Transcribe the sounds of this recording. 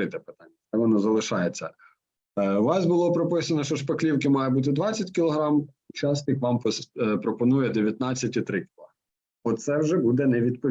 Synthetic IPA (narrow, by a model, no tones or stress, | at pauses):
ɪt̪ɛpɪ̥t̪ɑnʲːɐt̪ɛʋɔnɔzɐlˠɪʃɑjet͡sʲːɐ | ʋɑsbʊlˠɔpɾɔpɪsɐnɔʃt͡ʃɔʃpɐklʲiwkɪmɑjɐbut̪̬ɪd̪ʋɑt͡sʲːɐtʲkʲɪlˠɔɦɾɑmut͡ʃɑst̪ʲɪkʋɑmpɔspɾɔpɔnujɛd̪eʋʲjɐt̪nɑt͡sʲːɐtʲit̪ɾɪkʲɪlˠɔ | ɔt̪sɛwʒɛbud̪ɛnɛʋʲid̪̚pɔ